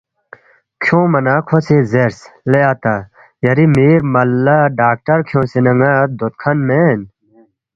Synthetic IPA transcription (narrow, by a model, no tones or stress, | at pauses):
kʰjõːmɐnaːkʰosezeɾsleaːt̪a | jɐɾimiːɾmɐlːaɖaːk̚ʈɐɾkʰjõsinɐŋaːt̪̚d̪ot̪̚kʰɐnmeːn